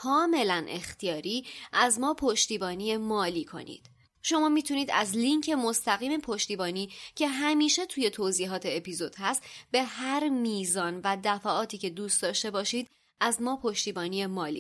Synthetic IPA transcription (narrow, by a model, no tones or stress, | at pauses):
kʰɒːme̞lænʔe̞̰xt̪ʰijɒːɾiːʔæzmɒːpʰo̞ʃt̪iːbɒːniːemɒːliːkʰo̞̰nḭːd̪̥ | ʃo̞mɒːmiːt̪ʰuniːd̪æ̰zliŋcʰe̞most̪æɣiːmepʰoʃt̪iːbɒːniːcʰe̞ɦæmiːʃe̞t̪ʰuːje̞t̪ʰoːziːɦɒːt̪ʰe̞epʰizo̞d̪̥hæst̪be̞hæɾmiːzɒːnvæd̪æfæʔɒːt̪ʰiːce̞d̪uːst̪d̪ɒːʃt̪e̞bɒːʃiːd̪̥ | ʔæzmɒːpʰo̞ʃt̪iːbɒːniːemɒːlḭ